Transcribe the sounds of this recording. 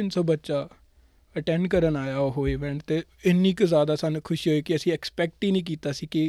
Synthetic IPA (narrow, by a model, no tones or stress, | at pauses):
ɪnsəbətːʃaː | əʈɛ̃ːɳɖkəɾənaːjaːoɦoːeːʋɛ̃ːɳt̪eːɪnːiːkzaːd̪aːsaːnuːkʰʊʃiːɦoːeːkɪəsĩːɛːkspɛːk̚ʈiːnĩːk̬iːt̪aːsiːkɪ